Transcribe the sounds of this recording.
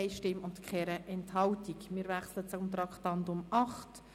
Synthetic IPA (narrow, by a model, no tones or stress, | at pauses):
ɪʃtɪmʊntkχɛɾəʔɛnthɑltikmɪːɾvæχslətt͡sʊmt̪rɑkʰtɑntʊmɑχt